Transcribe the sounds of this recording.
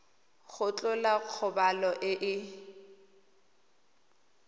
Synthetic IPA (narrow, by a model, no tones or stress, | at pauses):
ɣʊt͡ɬʼʊlaq͡χʰʊbalɔʔɪʔɪ